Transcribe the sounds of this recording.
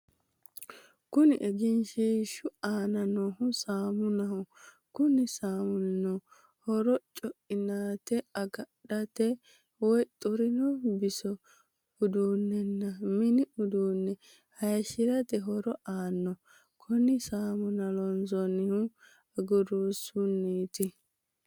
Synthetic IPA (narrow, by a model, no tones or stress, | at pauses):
kʊnɪʔɛɡɪnʃiːʃʊaːnɐnohʊsaːmʊnɐhʊ | kʊnɪsaːmʊnːɔ | hɔɾɔt͡ʃʼɔʔɪnaːt̪ɛɐɡɐɗɐt̪ɛ | wɔjt̪ʼʊɾɪnɔbɪsɔ | ʊd̪uːnːɛnːɐmɪnɪʊd̪uːnːɛ | hɐjʃɪɾɐt̪ɛɦɔɾɔʔaːnːɔ | kʰʊnɪsaːmʊnɐlɔnzɔnɪhʊ | ɐɡʊɾuːsʊnːiːt̪ɪ